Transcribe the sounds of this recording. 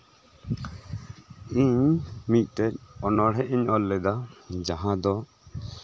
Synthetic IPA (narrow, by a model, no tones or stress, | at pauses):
iɲmic̚ˀt̪ɛc̚ɔnɔɽɛʔiɲɔlːɛd̪ad͡ʒaɦãd̪ɔ